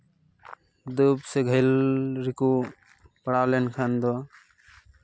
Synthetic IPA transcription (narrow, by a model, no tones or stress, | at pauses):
d̪ubseɡʱəjlɾiku | pɐɽalenkʰand̪ɔ